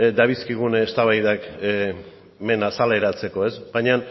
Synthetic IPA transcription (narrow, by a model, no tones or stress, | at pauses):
d̪aβiskiɣ̞unest̪aβajðake | me̞nasale̞ɾat͡se̞ko̞e̞zbajɲan